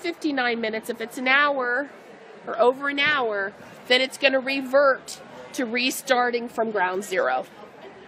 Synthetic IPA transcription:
fɪftinãɪ̃nmɪ̃nɨtsɨfɨtsɨ̃naʊə˞ | ə˞oʊvə˞ɨ̃naʊə˞ | ðɨ̃ɾ̃ɨtsɡ̥ʌñɨɹivɜ˞tʰ | ɨɹistɑɹɾɪ̃ŋfɹʌ̃mɡɹãʊ̃ndzɪɹo̰ʊ

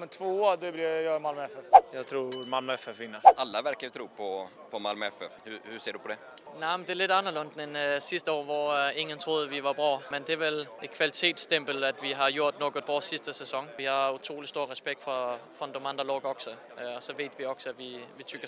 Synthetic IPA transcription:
mɛt̪ʰʋoːoːdeblijɑmalmɛfɛfjɑt̪ʰɾuːmalmefɛfinəʔalːaʋæɾkajʉt̪ʰɾuːpʰɔ | pʰɔmalmɛfɛfhʉhʉseːɖɵpʰɔd̪ɛ | naɪmd̥eæɐle̝d̥ɑnɐlønd̥nensisd̥əɒ̰ːʋɒe̝ŋːənt͡sʰʁo̝ːð̞ˠəʋiʋɑ̈b̥ʁɔ̰ːmend̥eæɐʋele̥kʰʋælit͡sʰe̝̰ːd̥stʰemb̥əl̩æd̥ʋiɦɑ̈jo̝ɐ̰d̥nɔːɡ̥əð̥̚ˠb̥ʁɒ̰ːsisd̥əsɛsɒ̽ŋʋihɑ̈ut͡sʰʁo̝̰ːlisd̥o̝ɐ̰ʁɛsb̥eɡ̥̚d̥fɒfɒnd̥ɔmɑnd̥ʁɐlɔːɡ̥ɒɡ̥sɔ | ɒsɒ̽ʋe̝ːd̥ʋiɒ̽ɡ̥sɔæʋiʋit͡sʰyɡ̥ɐ

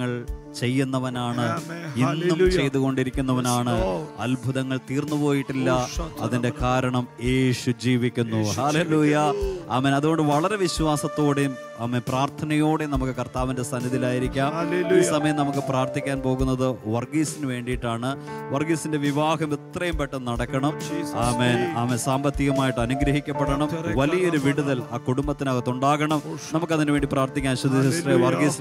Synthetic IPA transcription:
ŋːɐɭt͡ɕe̞jːunːɐʋɐnaːɳɨinːumt͡ɕe̞jt̪uɣo̞ɳɖiɾikʲːun̪ːɐʋɐnaːɳɨɐlbʱuðɐŋːɐɭt̪iːrnːupo̞ːjiʈːilːɐɐðinde̞kaːɾɐɳɐme̞ːɕud͡ʑiːʋikʲːunːuɦaleːluːjɐɐmːɐnɐðuɣo̞ɳɖɨʋɐɭɐɾe̞ʋiɕʋaːsɐt̪ːo̞ːɽejum | ɐmːepraːrt̪ʰɐnɐjo̞ːɽejumnɐmukːɨkɐrt̪aːʋinde̞sɐnːɐðilaːjiɾikʲːaːmiːsɐmɐjɐmnɐmukːɨpraːrt̪ikʲːaːnpo̞ːɣunːɐðɨʋɐrɡiːsinɨʋe̞ːɳɖijʈːaːɳɨ | ʋɐrɡiːsinde̞ʋiʋaːɦɐmit̪rɐjumpeʈːɐnɐɽɐkːɐɳɐmaːmeːnaːmensaːmbɐt̪ːiɣɐmaːjiʈːɨɐnuɡɾɐɦikʲːɐpːeɽɐɳɐmʋɐlijɐo̞ɾuʋiɽuðɐlaːkuɽumbɐt̪ːinɐɣɐt̪ːuɳɖaːɣɐɳɐmnɐmukːɐðinɨʋe̞ːɳɖipraːrt̪ikʲːaːnɕod̪ːisɐsreʋɐrɡis

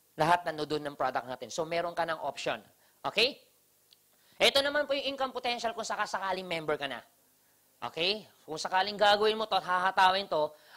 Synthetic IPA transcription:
lɐɦat̪̚nɐnod̪onːɐŋpɾod̪ɐk̚naːt̪ɛnso̞mɛːɾo̞ŋkɐnaŋʔopʃo̰n | ʔo̰ːkɛj | ʔɛt̪o̞nɐmanpojʊŋʔɪŋkompot̪ɛnʃɐlkʊŋsɐkasɐkaːlɪŋmɛmbɛɹkɐnɐ̰ | ʔo̰kɛj | kʊŋsɐkaːlɪŋɡaːɡɐwɪnmot̪ot̪hahɐt̪aːwɪnt̪o̞

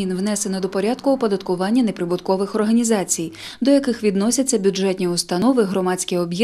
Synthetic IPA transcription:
inʋnɛsenɐd̪ɔpɔɾʲad̪kʊɔpɔd̪ɐt̪kʊʋɑnʲːɐnepɾɪbʊt̪kɔʋɪxɔrɦɐnʲizɑt͡sʲij | d̪ɔjɐkɪxʋʲid̪nɔsʲɐt͡sʲːɐbʲud͡ʒɛt̪ʲnʲiʊst̪ɐnɔʋɪɦɾɔmɑt͡sʲkʲiɔbʲjɛ

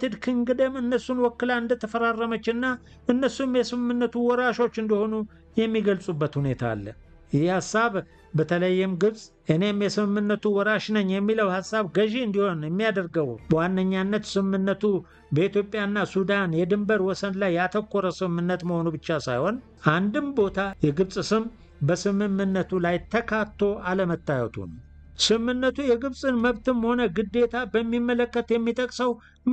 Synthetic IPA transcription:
t̪ʰɨd̪kʰɨŋɡɨd̪əmɨnːəsːunwɔkːɨlaɨnd̪ət̪ʰəfəɾarːəmət͡ʃːɨnːa | ʔɨnːəsumjɛsɨmɨmːɨnːət̪ʰuwɔɾaʃo̞t͡ʃːɨnd̪iho̞nu | jɛmːiɡəlsʼubːət̪hune̞t̪ʰa̰ːlːə | jɪjihasːaβ | bət̪ʰələjːɪmɡɨβsʼ | ʔɨne̞mjɛsɨmɨmːɨnːət̪uwɔɾaʃnəɲːjɛmːiləwhasːaβɡəʒiɨnd̪iho̞njɛmːijad̪əɾɡəwwanːəɲːanːət̪sɨmɨmːɨnːət̪ʰu | bəit̪jo̞pʼjaɨnːasud̪anjɛd̪ɨmbəɾwɔsənlajːat̪ʰəkːoɾəsɨmɨmːɨnːət̪məho̞nubɨt͡ʃːasa̰jho̞n | ʔand̪ɨmbo̞t̪ʰajɛɡɨβsʼsɨm | bəsɨmɨmːɨnːət̪ʰulajt̪ʰəkʰat̪ʰːo̞ʔaləmət̪ːajɛ̰t̪ʰṵn | sɨmːɨnːət̪ʰujɛɡɨβsʼɨnməβt̪ɨnməho̞nəɡɨd̪ːe̞t̪ʰabəmːimːələkːət̪jɛmːit̪ʼəkʼsəw

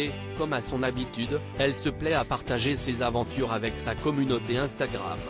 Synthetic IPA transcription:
e | kɔmasɔ̃nabit̪yd̪ | ɛlsəplɛapaʁt̪aʒesezavɑ̃t̪yʁavɛksakɔmynot̪eɛ̃st̪aɡʁa̰m

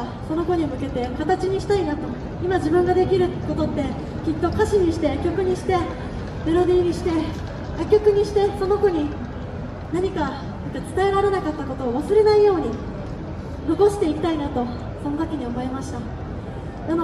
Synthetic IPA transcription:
so̞no̞ko̞ɲ̟imɯ̟ke̞t̪e̞kat̪at͡ɕiɲ̟iɕi̥t̪ainat̪o̞ | imad͡ʑibɯ̟̃ŋɡad̪e̞kʲiɾɯ̟ko̞t̪o̞t̪ːe̞ | kʲit̪ːo̞kaɕiɲ̟iɕi̥t̪e̞kʲo̞kɯ̟ɲ̟iɕi̥t̪e̞ | be̞ɾo̞d̪iːɲ̟iɕi̥t̪e̞ | jakʲːo̞kɯ̟ɲ̟iɕi̥t̪e̞so̞no̞koɲ̟i | naɲ̟ika | sot̪ːet͡sɨ̥t̪ae̞ɾaɾe̞nakat̪ːako̞t̪o̞ːβasɨɾe̞naijo̞ːɲ̟i | no̞ko̞ɕi̥t̪e̞ikʲi̥t̪ainat̪o̞ | so̞notakʲeɲ̟iomo̞emaɕi̥t̪a | nano

